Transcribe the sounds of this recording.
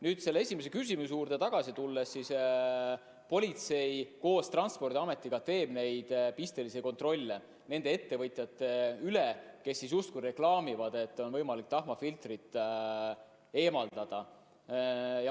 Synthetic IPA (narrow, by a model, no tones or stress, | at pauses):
nyːd̪̥se̞lːee̞sʲime̞s̬e̞kysʲimus̬juːɾd̪et̪ɑɡ̥ɑsit̪ulːesːis | po̞lʲit̪se̞jko̞ːst̪rɑnspo̞rd̪iɑme̞t̪ːˑiɡ̥ɑt̪e̞ːb̥ne̞jd̪̥pist̪e̞liseko̞nt̪ˑro̞lʲːe | ne̞nd̪ee̞t̪ːe̞vɤt̪ˑjɑt̪ːˑeyleke̞sːisjust̪̚kujɾe̞klɑːmivɑd̪e̞t̪ːˑo̞nvɤjmɑlik̚t̪ɑɦmɑfilt̪rit̪ːˑ | e̞ːmɑld̪̥ɑd̪̥ɑ | jɑ